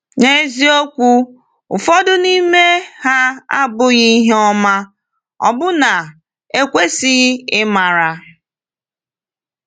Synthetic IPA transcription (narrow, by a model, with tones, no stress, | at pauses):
ne˦zi˦o˦kʷu˦ | ʊ˨fɔ˦dʊ˦ni˦me˦ha˦a˦bʊ˦ɣi˦ɦe˦ɔ˦ma˦ | ɔ̰˨bʊ˦na˨ | e˦kʷe˦si˦ɪ˦ma˨ɾa˨